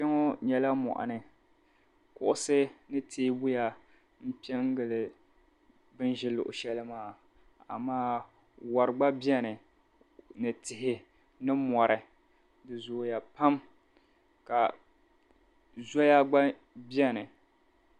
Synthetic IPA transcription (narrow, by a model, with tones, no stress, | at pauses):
ʃɛ˦ŋo˦ɲɛ˨la˦mɔ̰˨ʔa̰˨nɨ˨ | kʊ̰˨ʔʊ˦sɨ˦nɨ˦tʰeː˦bʊ˦ja˨ | m̩˦pi˦ɛ˦ŋ˦ɡɨ˨lɨ˨ | bɨ˦nʒɪ˦lʊ̰˨ʔʊ̰˨ʃɛ˦lɨ˦maː˦˨ | a̰˨maː˦ | wa˨ɾɨ˨ɡ͡ba˦bi˦ɛ˦nɨ˨ | nɨ˨tɪ˨ɦɪ˨ | nɨ˦mɔ˨ɾɨ˨ | dɨ˨zʊ˨ja˨pa˦m | ka˨ | zɔ˦ja˦ɡ͡ba˦ | bi˦ɛ˦nɨ˨